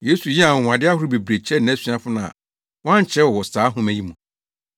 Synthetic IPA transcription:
je˦su˨ji˦a˨ŋʷ˨ã˨dɪ˦a˦hʊ˦ɾʊ˦be˨bɾe˨t͡ɕʰɛ˦n˨æ˦sɥ̃a˦fʊ˦nã̰˨ | wã˦ɲ˨t͡ɕʰɛ˦wɔ˨wɔ˨saː˨˦ɦʊ̃˦mæ̃˨ji˦mũ˨

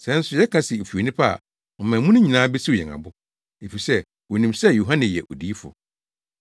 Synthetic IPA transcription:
sɛ̃˦n̩˦sʊ˨jɛ˦kʰa˦sɪ˨e˨fu˨o˨nĩ˦pʰa˦a̰˨ | ɔ˨mãː˨mũ˦nʊ̃˦ɲĩ˨nãː˦be˦si˦o˨ɛ̰˨ŋa̰˨bʊ˦ | e˨fi˨sɛ˦ | wɔ˨nĩ˨msɛ˦ju˨ɦã˦nɪ̃˨jɛ̰˨ʔo̰˨diː˦fʊ̰˨

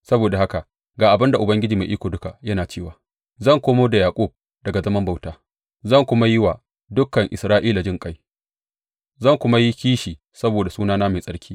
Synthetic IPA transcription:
sɐ˦boː˨da˨ha˦ka˨ʔ | ɡaː˨ʔa˨bɪ˦nda˨ʔʊ˨bɐ˦ŋɡʲɪ˦d͡ʒiː˨ma˨ʔiː˦kʷoː˨dʊ˦ka˨jɐ˦naː˨t͡ʃeː˦˨waː˨ | zɐ˦˨ŋkʷoː˦moː˦da˨jaː˨kʷʼu˦˨b̚ | dɐ˨ɡa˨zɐ˦mɐ˦mba˦˨wtaː˨˦ | zɐ˦˨ŋkʷʊ˦ma˦jɪ˦wa˨ | dʊ˦kːɐ˨ŋʔɪ˨sɾaː˦ʔiː˦la˨d͡ʒɪ˦ŋkʼa˦j | zɐ˦˨ŋkʷʊ˦ma˦ji˦kʲiː˦ʃiː˨ | sɐ˦boː˨da˨suː˦naː˦naː˦ma˨sʼɐ˦ɽkʲʰiː˦

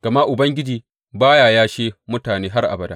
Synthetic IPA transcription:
ɡ̥ɐ˨ma˦ʔʊ˨bɐ˦ŋɡʲɪ˦d͡ʒiː˨ | baː˦jaː˨jaː˦ʃeː˦mʊ˦taː˨neː˦ɦa˦rʔa̰˨bɐ˨daː˦

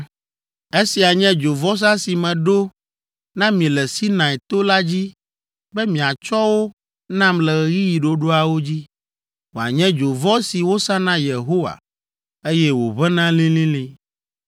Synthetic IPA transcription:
e˦si˨a˨ɲɛ̃˦d͡ʒo˨vɔ˦s̬ã˦si˨mɛ̃˨ɖo˦ | nã˦mĩ˨lɛ˨si˦nã˨ɛ˨t̪o˦la˦d͡ʑi˦ | bɛ˦mĩ˨a˨t͡ʃɔ˦wo˦ | nã˦mlɛ˨ɣɣi˦ji˨ɖo˦ɖo˦a˨wo˦d͡ʑi˦ | wo˨a̰˨ɲɛ̃˦d͡ʒo˨vɔ˦si˨wo˦sã˦nã˦je˨ɦo˦wa̰˨ | e˦jɛ˦wo˨βɛ˦nã˦lĩ˦lĩ˦lĩ˦

